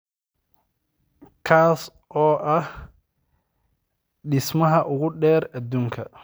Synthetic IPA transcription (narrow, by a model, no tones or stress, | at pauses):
kʰaːs | ʔɔːʔɐh | ɖɪsmɐɦɐʔʊɣʊɖɛːrɐd̪uːŋkʰɐ